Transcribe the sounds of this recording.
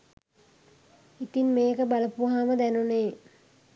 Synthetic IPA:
it̪inmeːkəbaləpuɦaməd̪ænuneː

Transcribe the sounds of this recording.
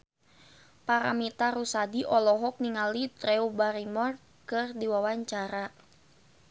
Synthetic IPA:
paɾa̰mit̪aɾusadiʔɔlɔɦɔk̚niŋalit̪ɾɛubaɾimɔr | kɨrdiwawaɲt͡ʃaɾa

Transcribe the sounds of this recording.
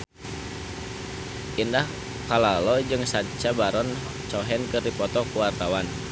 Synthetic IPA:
ʔindah | palalɔd͡ʒɨŋsaɲt͡ʃabaɾɔn | t͡ʃɔɦɛnkɨrdipɔt̪ɔkuwart̪awan

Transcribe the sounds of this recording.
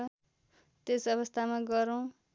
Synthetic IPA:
ʌ | t̪esʌβʌst̪ʰamaɡʌɾʌw̃

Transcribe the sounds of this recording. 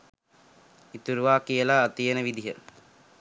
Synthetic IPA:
it̪uɾuʋaːkijəlaːt̪ijenəʋid̪iɦə

